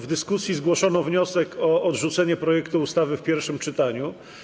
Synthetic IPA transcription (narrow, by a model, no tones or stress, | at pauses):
vd̪ɘskusʲjizɡwɔʂɔnɔvɲɔsɛkʰɔːd̪ʐut̪sɛɲɛpɾɔjɛkt̪uːst̪avɘfpʲjɛɾfʂɘmt͡ʂɘt̪aɲu